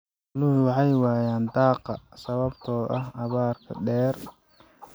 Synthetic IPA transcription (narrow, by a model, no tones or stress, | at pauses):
lʊhʊwɑħɑjwɑːjaːnd̪ɑːqɑsɐβɐbt̪ʰɔːʔɐɦɐβaːrkʰɐ̰ɖɛːr